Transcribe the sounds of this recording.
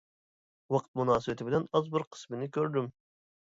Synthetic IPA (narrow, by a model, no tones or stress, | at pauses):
wɑqʰt̪̚munɑːsɨbɪt̪ʰɪbɪlɛnɑzbɪɾqʰə̥smɪnɪkʲøɾd̪ym